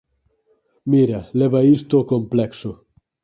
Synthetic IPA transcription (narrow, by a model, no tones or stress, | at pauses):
miɾalebaist̪okomplekso